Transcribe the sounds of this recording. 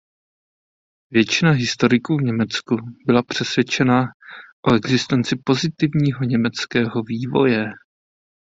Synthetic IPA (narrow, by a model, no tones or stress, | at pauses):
vjɛt͡ʃɪnaɦɪst̪o̞ɾɪkuːvɲɛmɛt͡skubɪlapr̝̥ɛsvjɛt͡ʃɛnaʔo̞ʔɛɡzɪst̪ɛnt͡sɪpo̞zɪt̪ɪvɲiːɦo̞ɲɛmɛt͡skɛːɦo̞viːvo̞̰jɛ